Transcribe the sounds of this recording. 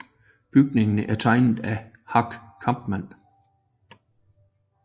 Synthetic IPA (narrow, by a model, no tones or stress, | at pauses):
b̥yɡ̥ne̝ŋnəʔæɐt͡sʰɑ̈ɪnð̩ˠæ | hɑ̈ɡ̥kʰɑ̈mb̥mæn̰